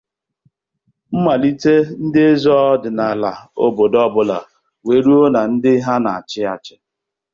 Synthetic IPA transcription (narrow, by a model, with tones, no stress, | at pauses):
m̩˦ma˨li˦te˦n̩˦dɪ˦e˦zɔ˦dɪ˨na˨la˨o˦bo˨dɔ˦bʊ˦la̰˨ | we˨ɾu˦o˦na˨n̩˦dɪ˦ɦa˦na˨a˨t͡ʃɪ˦a˨t͡ʃɪ̥˦